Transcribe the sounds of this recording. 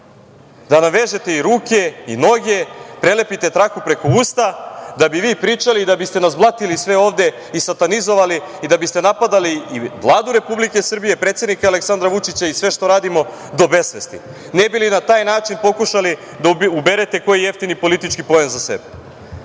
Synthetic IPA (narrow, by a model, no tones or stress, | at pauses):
d̪anaʋe̞ʒe̞t̪e̞iɾuːke̞ino̞ɡe̞pɾe̞le̞pit̪e̞t̪ɾakupɾe̞ko̞uːst̪ad̪abiʋiːpɾiːt͡ʃaliːd̪abist̪e̞nazblˠat̪ilisʋe̞o̞ːʋd̪e̞ | isat̪anizo̞ʋali | id̪abist̪e̞napad̪aliːʋlˠaːd̪uɾe̞publike̞sr̩bijepɾet̪se̞d̪nikaːleksand̪ɾaʋut͡ʃit͡ɕaisʋe̞ʃt̪o̞ɾaːd̪imo̞ | d̪o̞be̞sʋest̪ḭ | nebilinat̪aːjnaːt͡ʃinpo̞kuʃali | d̪aube̞ɾet̪e̞ko̞jijeft̪inipo̞lit̪it͡ʃkipo̞jenzase̞̰be